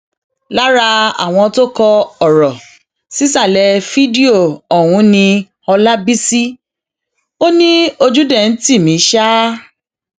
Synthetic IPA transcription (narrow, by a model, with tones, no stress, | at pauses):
la˦ɾa˧a̰˨w̃ɔ̃˧to˦kɔ˧ɔ˨ɾɔ˨ | si˦sa˦˨lɛ˧fi˦di˦o˨ɔ˨w̃ũ˨˧˦nĩ˧ | ɔ˧la˦bi˦si˦ | o˦nĩ˦o˧d͡ʒu˦dɛ˦˨n̩˦ti˦˨mĩ˨˦ʃa˦